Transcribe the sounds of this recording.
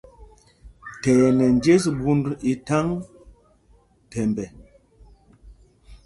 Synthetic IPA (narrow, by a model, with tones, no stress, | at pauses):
tɛ˨jɛ˨nɛ˨nd͡ʒe˦s̬bu˦ndi˨ta˦ŋ | tɛ˨mbɛ˨